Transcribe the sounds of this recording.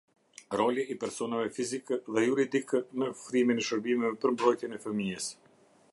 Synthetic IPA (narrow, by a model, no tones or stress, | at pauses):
ɾɔliːpɛɾsɔnavɛfizikəðɛjuɾid̪ikənəfɾiminɛʃəɾbimɛvɛpəɾmbɾɔjt̪jɛnɛfəmiɛs